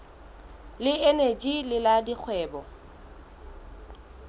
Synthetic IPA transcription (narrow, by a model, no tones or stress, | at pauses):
lɪened͡ʒilɪladik͡xʰwɛːbɔ